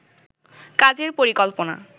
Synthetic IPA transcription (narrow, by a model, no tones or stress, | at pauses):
kad͡ʑeɾpoɾikɔlpona̰